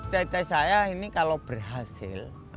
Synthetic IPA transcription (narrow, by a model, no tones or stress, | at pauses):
t̪ait̪asajainikalob̥ərɦasɪ̰l